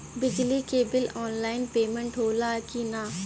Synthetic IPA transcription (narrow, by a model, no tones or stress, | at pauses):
bɪd͡ʒlikeːbɪlɔːnlaːɪnpeːmə̃ɳʈɦoːlaːkinaː